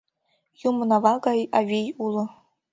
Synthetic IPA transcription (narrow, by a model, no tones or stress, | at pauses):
jumnavɑɡɑjavʲejulˠɤ̆